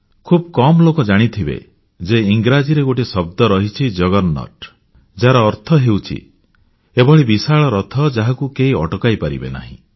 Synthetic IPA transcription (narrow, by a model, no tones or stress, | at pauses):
kʰub̚kɔmɔlokɔd͡ʒaɽ̃it̪ʰibḛ | d͡ʒeiŋɡɾad͡ʒiɾeɡoʈisɔb̚d̪ɔɾɔɦit͡ʃʰid͡ʒɔɡɔnnɔ̰ʈ | d͡ʒaɾaːɾt̪ʰɔɦewt͡ʃʰḭ | ebɔɭibisaɭɔɾɔt̪ʰɔd͡ʒaɦakukeiɔʈɔkajpaɾḭbḛna̰ɦḭ̃